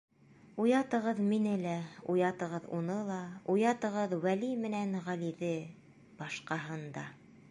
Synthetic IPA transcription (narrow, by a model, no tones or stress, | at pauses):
ujɑt̪ɤ̆ʁɤðminɘlæujɑt̪ɤ̆ʁɤðṵnɤlˠɑujɑt̪ɤ̆ʁɤðwælimɘ̆nænʁæliðɘ | b̥ɑʃqɑɦɤnd̪ɑ